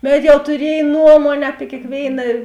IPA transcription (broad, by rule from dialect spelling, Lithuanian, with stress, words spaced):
ˈbʲɛt jɛʊ tʊˈrʲiɛj ˈnuɔmuɔnʲeː ɐpʲɪ kʲeːkˈʋʲeːɪnɐ